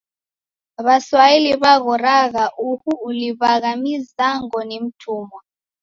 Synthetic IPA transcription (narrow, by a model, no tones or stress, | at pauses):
βaswailiβaɣɔraɣaʔuhuːliβaɣamizaŋɔnem̩tʰuːmɔ